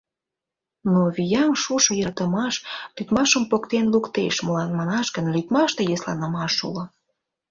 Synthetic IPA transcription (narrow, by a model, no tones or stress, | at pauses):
noβijɑmʃuʃŏjɑt̪ə̆mɑʃlyt̪mɑʃəmpokt̪enlukt̪eʃmolɑnmɑnɑʃkə̆nlit̪mɑʃt̪ejɤslɑ̰nə̆mɑʃṵlŏ